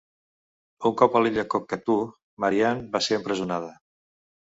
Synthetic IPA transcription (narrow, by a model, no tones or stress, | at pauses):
uŋkɔpəliʎəkokːət̪u | məɾianbaseəmpɾəzunað̞ə